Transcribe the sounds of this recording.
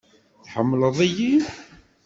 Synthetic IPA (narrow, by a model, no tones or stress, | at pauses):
θħəmːləðˤæji